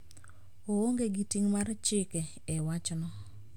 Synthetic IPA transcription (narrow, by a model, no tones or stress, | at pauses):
ooŋɡeɡitiŋmart͡ʃɪkɛ | ɛwat͡ʃnɔ